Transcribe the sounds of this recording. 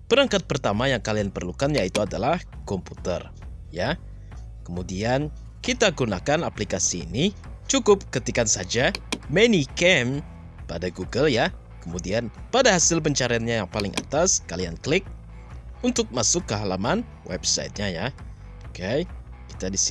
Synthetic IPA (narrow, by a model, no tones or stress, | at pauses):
pəɾaŋkat̪̚pərt̪amajaŋkalianpərlukanjait̪uadalahkɔmput̪ə̰r | ja | kəmudian | kit̪aɡunakanaplikasḭːnit͡ʃukʊp̚kət̪ikansad͡ʒamenikɛm | padaɡuɡəlja | kəmudianpadaɦasɪlp̬əɲt͡ʃaɾianɲajaŋpalɪŋʔa̰t̪askalianklɪk̚ | unt̪ʊk̚masʊkːəɦalaman | wʔɛ̰bsa̰jt̪̚ɲaja | okej | ki̥t̪adis